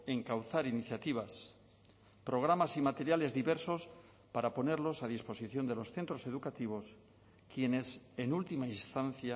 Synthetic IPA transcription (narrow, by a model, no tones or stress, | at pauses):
e̞ŋkawθaɾiniθjat̪iβ̞as | pɾo̞ɣ̞ɾamasimat̪e̞ɾjale̞zðiβe̞ɾso̞s | paɾapo̞ne̞ɾlo̞sað̞ispo̞siθjo̞nd̪e̞lo̞sθe̞nt̪ɾo̞se̞ðukat̪iβ̞o̞s | kje̞ne̞se̞nult̪imainst̪an̟θja